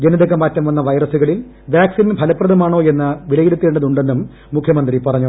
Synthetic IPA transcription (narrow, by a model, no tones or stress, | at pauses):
d͡ʑenɐðɐɣːɐmːaːtːɐmʋɐnːɐʋɐjrɐsuɣɐɭil | baːksinpɐlɐpːrɐðɐmaːɳo̞ːe̞nːɨʋilɐjiɽut̪ːeːɳɖɐðuɳɖe̞nːumː | ukʰjɐmɐnd̪ripɐrɐɲːu